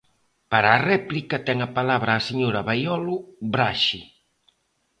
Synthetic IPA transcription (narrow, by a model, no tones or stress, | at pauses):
paɾaːrɛplikɐt̪ɛŋapalaβɾaːseɲoɾaβajɔlʊbɾaʃi